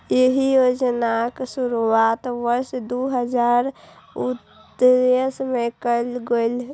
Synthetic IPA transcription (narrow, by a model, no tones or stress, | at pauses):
jeɦijod͡ʒnaksuɾuat̪ʋəɾsd̪uɦəd͡ʒaɾ | ut̪ | ɾesmekəlɡoɪl